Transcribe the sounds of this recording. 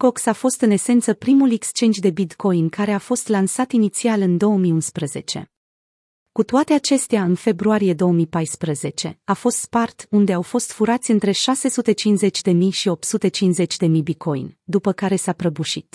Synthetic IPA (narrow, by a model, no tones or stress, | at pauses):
ko̞ksafo̞st̪ɨne̞se̞nt̪səpɾimulekst͡ʃe̞nd̪jd̪e̞bit̪ko̞jnkaɾe̞afo̞st̪lansat̪init̪sialɨnd̪o̞wəmiunspɾəze̞t͡ʃe̞̰ | kut̪oat̪e̞at͡ʃe̞st̪eaɨnfe̞bɾuaɾije̞d̪o̞woəmipajspɾəze̞t͡ʃe̞̰afo̞st̪spart̪und̪e̞awfo̞st̪fuɾat̪sʲɨnt̪ɾe̞ʃase̞sut̪e̞t͡ʃinze̞t͡ʃʲd̪e̞mijʃio̞p̚t̪sut̪e̞t͡ʃinze̞t͡ʃʲd̪e̞mijbit̪̚kʰo̞jnʲd̪upəkaɾe̞sapɾəbuʃit̪